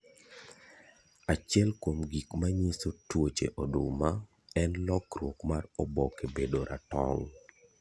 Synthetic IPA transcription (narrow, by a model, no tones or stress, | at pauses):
at͡ʃɛlkomɡikmaɲisotwot͡ʃḛʔɔduma | ɛnlɔkrwokmarɔbɔkebedoɾʔa̰tɔ̰ŋ